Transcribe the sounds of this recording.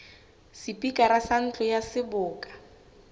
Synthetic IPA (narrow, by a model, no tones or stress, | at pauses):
sipikʼaɾasan̩t͡ɬʼɔjasɪbʊːkʼḁ